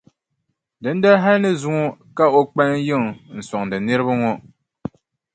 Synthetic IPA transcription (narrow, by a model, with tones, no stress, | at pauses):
dɨ˨˦n˦da˦ɦa˦nɨ˦zu˦ŋɔ˦ka˦o˦k͡pa˦n˦jɨ˦˨ŋ˨n̩˨sɔ˨ŋdɨ˨nɨ˦ɾɨ˦ba˦ŋɔ˦